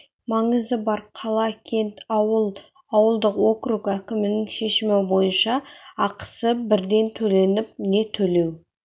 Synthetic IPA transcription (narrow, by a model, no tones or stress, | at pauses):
mɑɴəzəbɑɾqʰɑlˠɑkʲʰe̞nt̪wəlˠ | ɑwəlˠd̪əqwo̞krukækʲɪmɪnɪŋʃe̞ʃɪmɪbo̞jənʃɑɑqə̥səbɪɾd̪e̞nt̪ʰɵle̞nɪp̚ne̞t̪ʰɵle̞w